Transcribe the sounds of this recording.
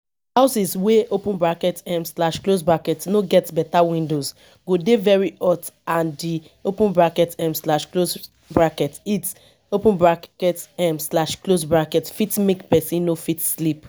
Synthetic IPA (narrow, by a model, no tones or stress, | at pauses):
haʊsisweopũnbɹakɛtɛ̃mslaʃklosbɹakɛtnoɡɛtbɛtawĩndoz | ɡodevɛɹiɔtãndi | opũnbɹakɛtɛ̃mslaʃklos | bɹakɛtit | opũnbɹakkɛtɛ̃mslaʃklosbɹakɛtfitmekpɛsĩnnofitslip